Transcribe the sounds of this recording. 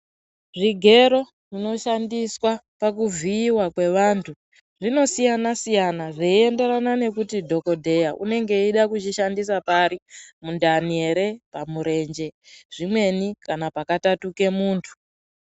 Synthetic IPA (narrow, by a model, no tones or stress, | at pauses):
ʐiɡʱe̞ɾo̞ | ʐino̞ʃandiswapak̬uvʱiːwakwe̞ʋaːntʰu | ʐino̞sijanasijanaʐeie̞nde̞ɾanane̞kutidʱo̞ko̞dʱe̞jaʔune̞ŋɡe̞iɗakut͡ʃiʃandisapaɾimundanieɾepamuɾe̞nd͡ʒe̞ʐ̥imwe̞nikanapakatatuke̞muːntʰu̥